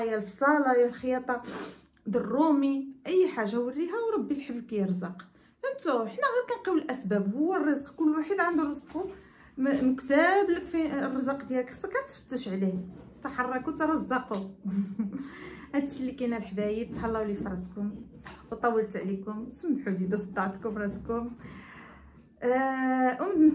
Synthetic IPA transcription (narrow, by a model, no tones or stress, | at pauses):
jælfsˤɑlɑjælxəjɑt̪ˤɑ | d̪ərˤːumiʔəjːħaʒːawərːiɦæwɾˤɑbːilħəbːkæjəɾzɑq | ʔənt̪uħnækænqiwəlʔæsbæbhʊwːərˤːəzqkʊlːwaħəd̪ʕand̪uɾˤəzqu | məkt̪æbləkfirˤːəzɑqd̪jælksˤːɑkːæɾt̪fə̥t̪ːəʃʕlit̪ɑħɑrˤːɑkut̪ɾˤɑzːɑqu | hæt̪əʃlːikænælħbæjib̚t̪hɑlːɑwlifɾˤɑskʊm | wt̪ˤɑwːəlt̪ʕlikʊmwsəmːħulid̪æsˤd̪ɑʕt̪kʊmɾˤɑskʊm | ʔəmd̪n